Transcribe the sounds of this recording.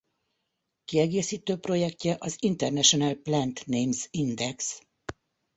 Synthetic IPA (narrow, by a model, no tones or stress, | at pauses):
kiɛɡeːsiːt̪øːpro̞jɛkcɛʔɒzint̪ɛrnɛʃonɛlplɛnt̪neːmzind̪ɛks